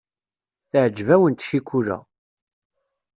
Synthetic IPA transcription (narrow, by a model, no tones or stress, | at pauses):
θəʕd͡ʒːvæwənt̪ʃikːulæ̰